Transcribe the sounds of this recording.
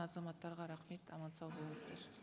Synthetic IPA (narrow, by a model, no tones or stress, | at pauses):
ɑzɑmɑt̪ːɑɾʁɑɾɑχmit̪ʰɑmɑnt͡sʰɑvbɔmst̪ɛɾ